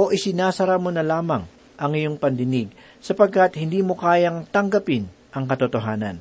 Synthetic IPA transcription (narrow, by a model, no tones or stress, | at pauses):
ʔo̞ʔɪsɪnaːsɐɾamonɐlaːmɐŋ | ʔɐŋɪjoŋpɐnd̪ɪnɪɡ̚ | sɐpɐɡ̚kɐt̪hɪnd̪iːmokaːjɐŋt̪ɐŋɡɐpɪn | ʔɐŋkɐt̪ot̪oɦaːnɐ̰n